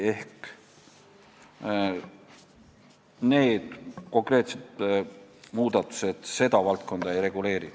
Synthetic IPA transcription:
e̞hkk | ne̞ːd̪̥ko̞ŋkˑre̞ːt̪set̪ | muːd̪̥ɑt̪ːˑu̥se̞d̪̥se̞d̪ɑvɑlt̪̚ko̞nd̪̥ɑe̞jrɾe̞ɡ̥ule̞ːɾi

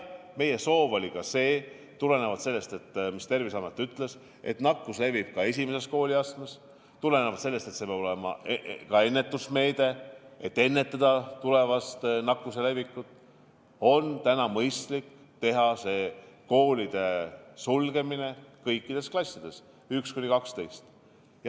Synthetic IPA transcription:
me̞jeso̞ːvo̞lʲikɑse̞ː | t̪ule̞ne̞vɑd̪̥se̞lːe̞st̪e̞t̪ːmist̪e̞rvisɑːmet̪ːˑyt̪ːˑle̞s | e̞̰t̪nɑkːˑusle̞vib̥̚kɑe̞sʲime̞se̞sko̞ːlʲiɑst̪mes | t̪ule̞nevɑd̪se̞lːest̪e̞t̪sepjɑb̥olemɑ̰kɑe̞nːe̞t̪ːˑusme̞ːd̪̥e̞et̪ːe̞nːe̞t̪ːˑɑd̪̥ɑt̪ule̞vɑst̪nɑkːˑuse̞le̞vikːˑut̪ːˑ | o̞nt̪ænɑmɤjst̪lik | t̪e̞ɦɑse̞ːko̞ːlid̪̥e̞sulɡ̥e̞mine̞kɤjkːˑid̪̥e̞sklɑsʲːid̪̥e̞s | ykskunʲikɑkst̪e̞jst̪ | jɑ

